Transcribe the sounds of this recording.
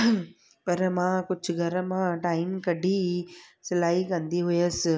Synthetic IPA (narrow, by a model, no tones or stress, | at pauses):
pɐɾmãːkʊd͡ʑʱɡʱɐɾmãʈaːɪmkɐɖʱisɪlaːikɐ̃nd̪iɦʊjəs̆